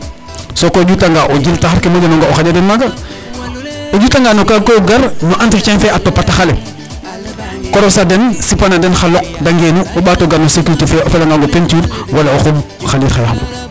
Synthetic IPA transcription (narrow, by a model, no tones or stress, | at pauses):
sokoɟutaŋɡaʔoɟiltaxaɾkemaɟenoŋɡaoxaɟadenmaɡa | oɟutaŋɡanokakoɡaɾnoʔantikt͡ʃanfeatopːataxalḛ | koɾosadensipanadenxalok̚daŋɡenuoɓatoɡanosikutufeofelaŋɡaŋɡopentuɾwalaoxom | xalilxaja̰xɡo̰